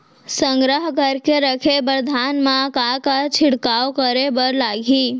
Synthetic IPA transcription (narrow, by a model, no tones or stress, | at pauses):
səŋɡɾəɦkəɾkeɾəkʰebəɾd̪ʱanmãkakat͡ʃʰɪɽkawkəɾebəɾlaɡʱi